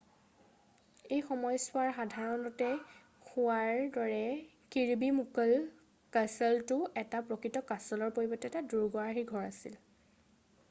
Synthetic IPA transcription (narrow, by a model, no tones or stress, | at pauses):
ejxɔmɔjsʊaɹxadʱaɹɔnɔtɛ | xʊaɹdɔɹɛ | kiɹbimukl | kasɔltʊɛtapɹɔkɹitɔkasɔlɔɹpoɹibɔtɛtaduɹɡɔaɦiɡʱɔɹasḭl